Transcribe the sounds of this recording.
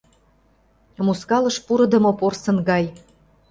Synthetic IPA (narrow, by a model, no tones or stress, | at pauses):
muskɑlɤ̆ʃpuɾɤ̆d̪ɤ̆mŏporsɤ̆nɡɑj